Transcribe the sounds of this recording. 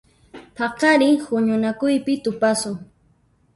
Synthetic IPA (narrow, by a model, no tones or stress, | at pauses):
pʰɑqɑɾɪhʊɲʊnakʊjpɪt̪ʊpasʊ